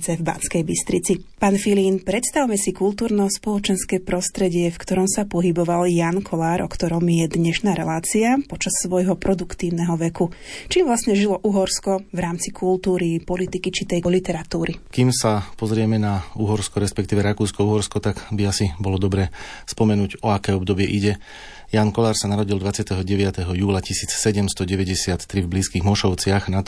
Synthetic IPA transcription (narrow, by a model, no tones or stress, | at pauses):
t͡sɛvba̰nskɛjbist̪ɾit͡sipaːnfiliːnpɾɛt̪st̪aʊmɛsikult̪uːɾnɔspɔlˠɔt͡ʃɛnskɛːpɾɔst̪ɾɛɟɪɛfkt̪ɔɾɔmsapɔɦibɔʋaljankʰɔlaːɾʔɔkt̪ɔɾɔmjɛd̪ɲɛʃnaːɾɛlaːt͡siapɔt͡ʃasːʋɔjɦɔpɾɔd̪ukt̪iːʊnɛɦɔʋɛkut͡ʃiːmʋlasɲɛʒilɔʔuɦɔɾskɔvɾaːmt͡sikʰult̪uːɾipɔlit̪ikit͡ʃit̪ɛjɔlit̪ɛɾat̪uːɾikimsapɔzɾɪɛmɛnauɦɔɾskɔɾɛspɛk̚t̪iːʋɛɾakuːskɔuɦɔɾskɔt̪aɡbiasibɔlɔd̪ɔbɾɛːspɔmɛnuːɟɔakɛːɔbd̪ɔbɪɛʔiɟɛ | jaːnkɔlaːɾsanaɾɔɟild̪ʋat͡sɪat̪ɛɦɔɟɛʋɪat̪ɛɦɔjuːlacisiːt͡ssɛɟɛmst̪ɔɟɛʋɛɟɛsɪat̪ːɾivbliːskiːɣmɔʃɔʊt͡sɪaxna